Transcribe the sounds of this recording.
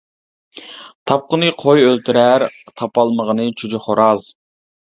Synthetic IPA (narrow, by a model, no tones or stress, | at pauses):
t̪ʰɑp̚qənɨqʰojølt̪ʰyɾæɾt̪ʰɑpɑlˠməʁənɨt͡ʃʰud͡ʒɪχoɾɑz